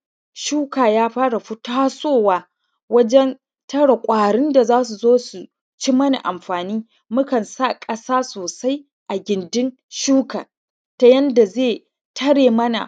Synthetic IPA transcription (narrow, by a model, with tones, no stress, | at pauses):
ʃuː˦kaː˨jaː˦ɸaː˦ɽa˨ɸʊ˦taː˦soː˦˨waː˨ | wɐ˦d͡ʒɛ˦n | tɐ˦ɽa˨kʷʼaː˨ɽɪ˦nda˨zaː˦s̬u˨zoː˦su˨ | t͡ʃi˦mɐ˦na̰˨ʔa˨mɸaː˨niː˦ | mʊ˦kɐ˨nsa˦˨kʼɐ˦saː˦soː˨sa˦j | ʔa˨ɡʲɪ˨ndɪ˦n | ʃuː˦kaː˨ | ta˨˦jɐ˦nda˨zeː˦˨ | tʰɐ˦ɽeː˨mɐ˦na̰˨